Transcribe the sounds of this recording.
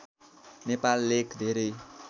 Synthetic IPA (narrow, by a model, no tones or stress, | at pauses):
nepalːekʰd̪ʱeɾʌj